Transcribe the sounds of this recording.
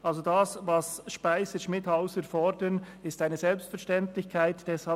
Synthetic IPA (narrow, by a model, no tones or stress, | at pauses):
ʔɑlzodaːsvɑsʃpaɪsəʃmɪthaʊsəɾfɔɾdən | ɪstaɪnəzɛlpstfɛɾʃtɛntlɪçkʰaɪtd̥ɛsha